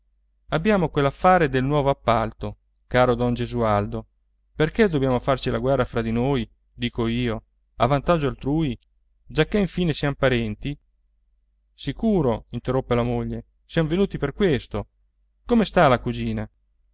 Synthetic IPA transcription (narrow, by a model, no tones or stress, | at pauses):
abːjaːmokwelːafːaːɾed̪elnwɔːvoapːalt̪o | kaːɾod̪ɔnd͡ʒezuald̪o | perked̪objaːmofart͡ʃilaɡwɛrːafɾad̪inoːj | d̪iːkoiːo | avant̪ad͡ʒoalt̪ɾuːi | d͡ʒakːeiɱfiːnesjampaɾɛnt̪i | sikuːɾoint̪erːopːelamoʎːe | sjamvenuːt̪iperkwest̪o | komest̪alakud͡ʒiːna